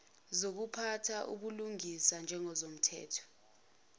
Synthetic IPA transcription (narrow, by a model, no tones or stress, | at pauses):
zok̬upʰatʰaʔṵɓuluŋisand͡ʒʱɛŋɔzom̩tʰɛ̰ːtʰɔ̥